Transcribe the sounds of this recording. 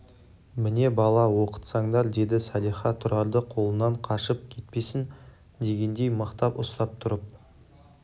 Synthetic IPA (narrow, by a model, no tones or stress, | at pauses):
mɪne̞bɑlˠɑwo̞qə̥t̪sɑɴd̪ɑɾd̪e̞d̪ɪsɑlˠijχɑt̪ʰːʊɾɑɾd̪əqʰo̞lˠənɑɴqʰɑʃəp̚kʲʰe̞t̪̚pe̞sɪn | d̪e̞ɡʲe̞nd̪e̞jməqt̪ɑpʊst̪ɑp̚t̪ʰʊɾəp̚